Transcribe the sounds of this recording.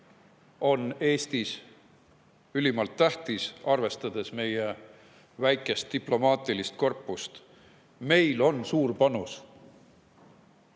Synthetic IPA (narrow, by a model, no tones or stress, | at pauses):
o̞ne̞ːst̪is | ylʲimɑlt̪ːæht̪isɑrve̞st̪ɑd̪̥e̞sme̞je | væjkːˑe̞st̪ːiplo̞mɑːt̪ˑilist̪̚ko̞rpːˑust̪ | me̞jlo̞nsuːrpɑnus